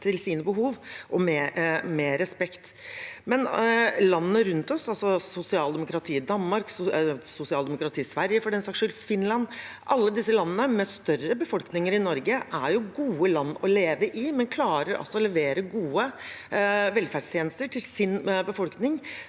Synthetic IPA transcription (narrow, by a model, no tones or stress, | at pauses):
t̪ʰɪlsiːnəbəɦuːʋʔɔmɛmɛɾɛspɛkt̪mɛnlɑnːəɾʉnt̪ɔsɑlsɔsʊsɪɑːld̪ɛmʊkɾɑt̪ʰiːd̪ɑnːmɑɾkssʊsɪɑːld̪ɛmʊkɾɑt̪ʰiːsʋæɾjəfɔɖɛnsɑkʂʏlfɪnlɑnːʔɑlːəd̪ɪsːəlɑnːənəmɛst̪œrəbəfɔlknɪŋəɾɪnɔɾɡəʔæɾjʊɡuːəlɑnːɔleːʋəʔɪmɛnkʰlɑːɾəɾɑ̰sːɔɔlɛʋeːɾəɡuːə | ʋɛlfæɖst̪ʰjeːnəst̪əʈʰɪlsɪnbəfɔlknɪŋ